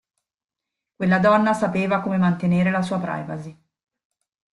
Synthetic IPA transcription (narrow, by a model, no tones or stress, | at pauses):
kwelːad̪ɔnːasapeːvakoːmemant̪eneːɾelasuːapɾa̰jva̰zi